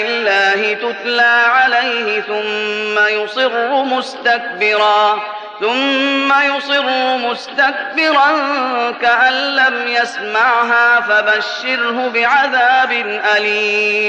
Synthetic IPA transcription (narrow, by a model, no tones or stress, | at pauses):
ɪlːaːɦɪt̪ʊt̪laːʕalajhɪθʊmːajʊsˤɨɾhʊmʊst̪ak̚bɪɾaː | θʊmːajʊsˤɨɾʊmʊst̪ak̚bɪɾɑnkaʔanːamjasmaʕɦaːfabaʃːɪɾɦʊbɪʕaðaːbɪnʔaliːm